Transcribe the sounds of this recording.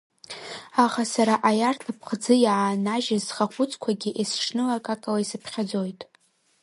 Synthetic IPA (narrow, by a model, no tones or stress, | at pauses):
aχasaɾaʔajartʰapʰχd͡zɨjʕanaʒazχaχʷʊt͡sʼkʷʰaɡʲiʔesʂnɨlakʼakʼalaisɨpʰχʲad͡zo̞jtʼ